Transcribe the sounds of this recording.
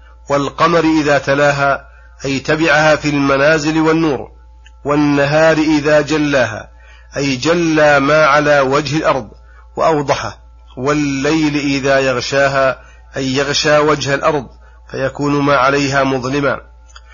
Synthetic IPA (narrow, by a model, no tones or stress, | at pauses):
walqɑmaɾʔɪðaːt̪alaːɦaː | ʔajt̪abɪʕahaːfiːlmanaːzɪlwanːuːɾ | wanːaɦaːɾɪʔɪðaːd͡ʒalːaːɦa̰ː | ʔajd͡ʒalːaːmaːʕalaːwad͡ʒhɪlʔɑɾˤðˤ | wa̰ʔɑwd̪ˤɑħa | walːajlʔɪðaːjɑɣʃaːɦaː | ʔajːɑɣʃaːwad͡ʒhalʔɑɾˤd̪ˤ | fajakuːnmaːʕalajɦaːmʊðˤlɪma̰ː